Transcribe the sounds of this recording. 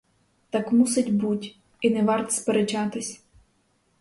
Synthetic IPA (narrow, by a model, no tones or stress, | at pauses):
t̪ɑkmusɪtʲbutʲ | inɛʋɑrt̪speɾet͡ʃɑt̪ɪsʲ